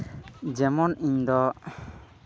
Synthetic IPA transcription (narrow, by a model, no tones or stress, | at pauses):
d͡ʒɛmɔnʔiɲd̪ɔ